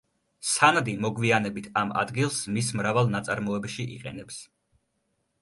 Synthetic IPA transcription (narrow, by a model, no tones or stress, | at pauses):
sanad̪imɔɡvianɛbit̪ʰama̰d̪ɡilˠsmismɾavalˠnat̪sʼaɾmɔɛbʃiʔḭqʼɛ̰nɛps